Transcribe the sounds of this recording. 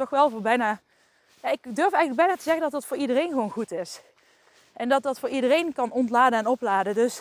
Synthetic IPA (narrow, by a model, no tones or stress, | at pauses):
tɔxʋɛlˠvʊːɹbɛjnaː | jaːɪkdøɹfɛjɣələɡbɛjnaːtəzɛɣəndɑtɑtfʊːɹidərejnɣəʋownɣutɪs | ʔɛndɑt̚dɑtfʊːɹidərejnkɑnɔntlaːdənɛnɔplaːdədɵs